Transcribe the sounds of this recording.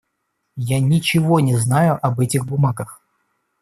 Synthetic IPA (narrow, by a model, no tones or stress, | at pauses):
janʲɪt͡ɕɪvonʲɪznajʊʔɐbɛtʲɪɣbʊmaɡəx